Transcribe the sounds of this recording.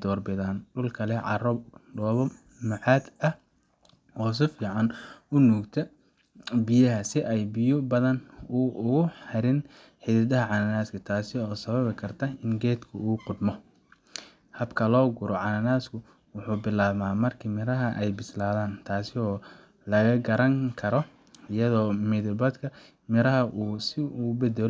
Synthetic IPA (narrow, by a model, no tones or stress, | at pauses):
d̪ɔːrbɪðaːnɖʊlkʰɐlɛʕɑrɔbɖɔːβɔ | mɐʕɑːd̪ɐh | hɔːs̬ɪfiːʕɑnʊnuːkt̪ʰɐ | bɪjɐɦɐsɪʔɛjbɪjʊbɐðɐnʊʊɣʊhɛɾɪn | ħɪðɪðɐɦɐʕɑnɐnaːskʰɐt̪ʰaːsɪɔːsɐβɐβɪkʰɐrt̪ʰɐɪŋɡɛːd̪kʰʊuːqʊd̪mɔ | hɐbkʰɐlɔːɡʊɾɔʕɑnɐnaːskʰʊ | wʊħuːbɪlaːbmaːmɐrkʰiːmɪɾɐɦɐʔɛjbɪslaːðaːnt̪ʰaːsɪɔː | lɐɣɐɡɐɾɐŋkʰɐɾɔ | ɪjɐðɔːmiðɪbɐd̪kʰɐ | mɪɾɐɦɐʔuːsɪuːbɛd̪ɛl